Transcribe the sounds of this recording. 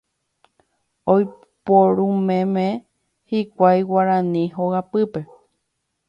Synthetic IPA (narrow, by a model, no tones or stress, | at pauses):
oj | poɾũmẽmẽ | hikʷajwaɾãnĩɦoɣapɨpe̞